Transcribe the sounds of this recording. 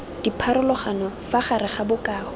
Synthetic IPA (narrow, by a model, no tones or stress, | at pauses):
d̥ipʰaɾʊlɔχanɔfaχaɾɪχabʊkʼaːɔ